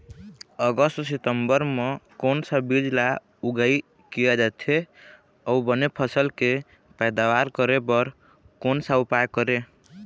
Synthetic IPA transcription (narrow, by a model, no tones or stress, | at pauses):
əɡəst̪sit̪əmbəɾmekonsabid͡ʒla | uɡəi | kijad͡ʒat̪ʰe | əubənepʰəsəlke | pɛjd̪awaɾkəɾepəɾ | konsaupajkəɾe